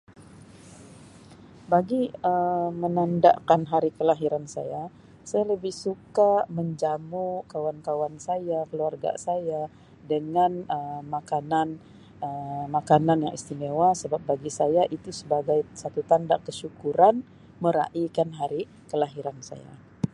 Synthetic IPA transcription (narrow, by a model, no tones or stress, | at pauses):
baɡiəmənanda̰ʔkanɦaɾikəlaɦiɾansa̰ja | sajaləbɪhsukaməɲd͡ʒamukawankawansajakəluarɡa̰saja | dəŋanəmakanan | əmakananja̰ŋḭst̪imewasəbap̚baɡisajaʔit̪usəbaɡajsat̪ut̪anda̰ʔkəʃukuɾan | məɾa̰ʔikanɦaɾi | kəlaɦiɾansa̰ja̰